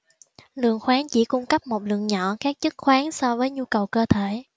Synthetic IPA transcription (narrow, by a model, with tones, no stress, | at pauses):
lɨ̰˨˩əŋxwaː˨˦ŋt͡ɕḭ˧˥kʊ˧ŋ͡mkə˦˥p̚mo˨˩t̚lɨ̰˧˨əŋɲɔ˧˨kaː˦˥k̚t͡ɕɨ˦˥k̚xwaː˨˦ŋsɔ˧vəː˨˦jɲu˧kə˨˩wkəː˧t̪ʰe˧˩˨